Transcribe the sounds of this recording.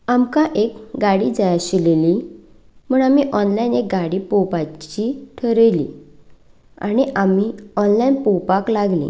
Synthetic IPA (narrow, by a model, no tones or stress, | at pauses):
amkaʔekɡaɽid͡zajaɕileli | muːɳamiʔɔnlainek̚ɡaɽiːpowpat͡ɕiʈʰəɾəjlḭ | a̰ɽ̃iʔamiɔnlainpowpaklaɡlḭ̃ː